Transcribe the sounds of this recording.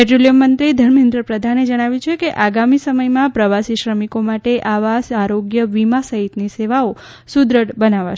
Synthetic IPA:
pɛʈɾolijəmːənt̪ɾid̪ʱəɾmẽnd̪ɾəpɾəd̪ʱaned͡ʒəɽ̃aʋjut͡ʃʰekeʔaɡamisəməjmãpɾəʋasiʃɾəmikomaʈeʔaʋasaɾoɡjəʋimasəɦit̪niseʋao | sud̪ɾəʈbənaʋa̰ʃ

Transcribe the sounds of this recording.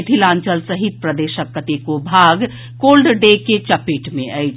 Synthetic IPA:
t̪ʰilãnt͡ʃəlsəɦit̪̚pɾəd̪eʃəkːət̪ekobʱaɡ | kolɖɖeket͡ʃəpiʈmẽʔəjt͡ʃʰ

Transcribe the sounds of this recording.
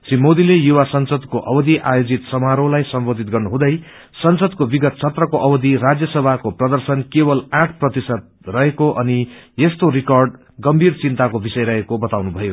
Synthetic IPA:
simod̪ilejuwasʌnsʌd̪koʔʌbʌd̪iʔa̰jod͡zit̪sʌmaɾolajsʌmbod̪ʱit̪̚ɡʌrnuɦd̪ʌj | sʌnsʌd̪kobiɡʌt̪̚t͡sʰʌt̪rʌkoʔʌbʌd̪iɾad͡zjʌsʌbʱakoprʌd̪ʌrsʌnkebʌlaʈʰprʌt̪isʌd̪̚rʌɦekoʔʌnijest̪oɾikʌrɖ | ɡʌmbʱirt͡sint̪akobisʌjɾʌɦekobʌt̪awnubʱʌjo

